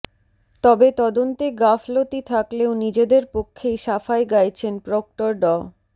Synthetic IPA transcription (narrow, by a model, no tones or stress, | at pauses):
t̪ɔbet̪ɔd̪ont̪eɡaflot̪it̪ʰakleonid͡ʑed̪eɾpokʰːejʃafaeɡajt͡ɕʰenpɾok̚ʈoɾɖɔ